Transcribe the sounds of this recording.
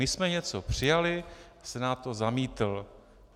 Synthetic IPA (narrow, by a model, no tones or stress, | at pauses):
ɪsmɛɲɛt͡sopr̝̥ɪjalɪ | sɛnat̪ozamiːt̪l̩